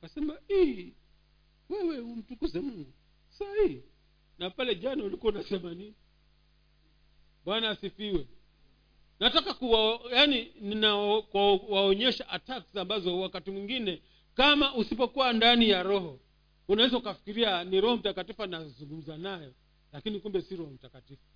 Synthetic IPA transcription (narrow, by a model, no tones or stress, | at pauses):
kasɛmaiː | wɛwɛum̩tukuzɛmuŋɡu | sahihi | napalɛʄanaulikuaunasɛmani | ɓwanaːsifiwɛ | natakakuajanininakwaɔɲɛʃaʔataksambazɔwakatimwiŋɡinɛ | kamaʔusipɔkuwandanijaɾɔɦɔ | unawɛzaukafi̥kiɾianiɾɔhɔm̩takatifanazuŋɡum̩zanajɔ | lakinikumbɛsiɾɔhɔm̩takatifu